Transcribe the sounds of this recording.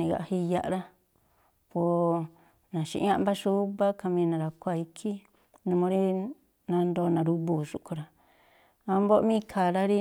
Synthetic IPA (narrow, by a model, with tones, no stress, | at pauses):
ĩ˨ɣa̰˨hi˧˦ja˧ʔɾa˦ | po˨ | nã˨ʃḭ˧ʔã˦˧mba˦ʃu˦βa˦ka˧mĩ˧nã˨ɾa˨kʷa˦˨i˧kʰi˦ | nũ˧mõ˧ɾi˦ | nã˧nd̪o˧nã˨ɾu˧βu˨ʃu˧ʔko˧ɾa˨ | a˧mbo˦ʔmĩ˦˧˨kʰa˨ɾa˦ɾi˦